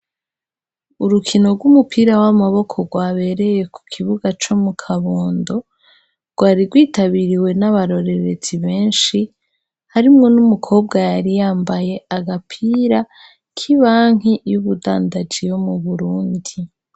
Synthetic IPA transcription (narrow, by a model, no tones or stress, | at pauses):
uɾukʰino̞ɾɡwumupʰiːɾawamaβo̞kʰoɡwaːβe̞ɾe̞je̞ku̥kʰiβuɡat͡ʃomukʰaβoːndo̞ | ɾɡ̥waːɾiɾɡwiːtaβiɾiwe̞naβaɾo̞ɾe̞ɾe̞z̥iβe̞ːnʃi | haɾimŋo̞numukʰo̞ːb̚ɡajaɾijaːmbaje̞aɡapʰiːɾa | kʰiβaːŋ̥ijuβuda̰ːndad͡ʒijo̞muβuɾuːndi